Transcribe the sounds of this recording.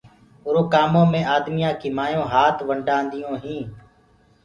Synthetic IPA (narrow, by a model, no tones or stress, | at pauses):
ʊɾoːkaːmõːmẽːʔaːd̪mɪjãːkiːmaːjõːɦaːt̪ʰʋəɳɖaːnd̪ɪjõːɦĩː